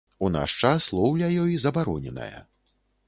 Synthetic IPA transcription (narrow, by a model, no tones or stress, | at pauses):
una̰ʂt͡ʂaslˠɔwlʲɐjɔjzɐbaɾɔnʲɛnɐ̰jɐ̰